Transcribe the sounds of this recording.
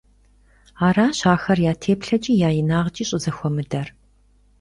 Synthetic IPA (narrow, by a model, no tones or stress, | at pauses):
aːɾaːɕaːxɐrjaːtʰeːpɬɐt͡ʃʼiːjaːjɪnaːʁt͡ʃʼiːɕʼɪzɐxʷɔmɨdɐr